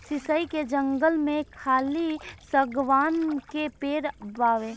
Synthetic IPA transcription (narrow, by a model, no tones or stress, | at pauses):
sɪsəiked͡ʒə̃ŋɡəlmẽkʰaːlisəɡʋaːnkepeːɾbaːʋẽː